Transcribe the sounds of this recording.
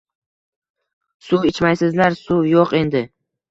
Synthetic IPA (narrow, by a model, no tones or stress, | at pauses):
suɪt͡ʃmajsɪzlaɾsujoqe̞nd̪ɪ